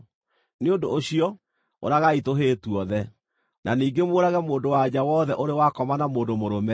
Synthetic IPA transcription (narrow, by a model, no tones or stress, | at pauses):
neondoːɕiɔ | o̰ɾaɣaitoɦeːtuɔðɛ | nʔaniːŋɡemwoːɾaɣɛmoːndowad͡ʑawɔðɛʔoɾewakɔmanamoːndomoɾomɛ